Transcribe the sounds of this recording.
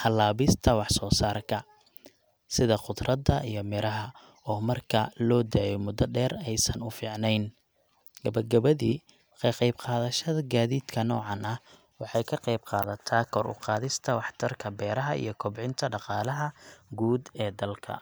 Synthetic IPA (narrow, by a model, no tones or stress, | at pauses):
hɐlaːβɪst̪ʰɐwɑħsɔːsaːrkʰɐ | sɪðɐqʊd̪rɐd̪ɐʔijɞmɪɾɐɦɐ | ɔːmɐrkʰɐlɔːd̪aːjɔmʊd̪ɐɖɛːrɛjsɐnʊfiːʕnɛjn | ɡ̥ɐβɐɡɐβɐðiː | qɛqɛjbqɑːðɐʃɐðɐɡaːðiːd̪kʰɐnɔ̰ːʕɑnɐh | wɑħɑjkʰɐqɑjbqɑ̰ːðɐt̪ʰaːkʰɔɾʊ̰qɑːðɪst̪ʰɐwɑħt̪ʰɐrkʰɐbɛːɾɐɦɐʔḭjɞkʰɔbʕɪnt̪ʰɐɖɑqɑːlɐɦɐɡuːd̪ɛːd̪ɐlkʰɐ̰